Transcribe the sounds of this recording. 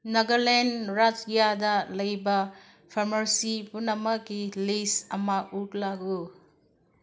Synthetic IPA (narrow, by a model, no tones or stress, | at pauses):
nɐɡɐɾlenɾatijadɐlɐjbɐ | pʰaɾmɐɾsipunɐmɐkːilisɐmɐutlaɡu